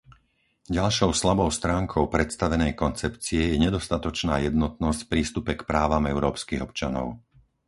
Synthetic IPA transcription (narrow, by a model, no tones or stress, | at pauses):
ɟalʃɔʊslabɔʊst̪ɾaːŋkʰɔʊpɾɛt̪st̪aʋɛnɛjkɔnt͡sɛpt͡siɛjɛɲɛd̪ɔst̪at̪ɔt͡ʃnaːjɛd̪nɔt̪̚nɔscfpɾiːst̪upɛkpɾaːʋamɛʊɾɔːpskiɣɔpt͡ʃanɔ̰ʊ